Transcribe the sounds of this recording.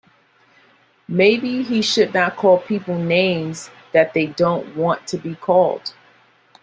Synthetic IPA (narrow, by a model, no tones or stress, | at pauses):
meɪbiiʃɨdⁿnət̚kʰɔlˠpʰipl̩ˠnẽɪ̃mz | ðɨt̪̚ðeɪdõʊ̃nʔwɑ̃ntʰɨbikʰɔlˠd̥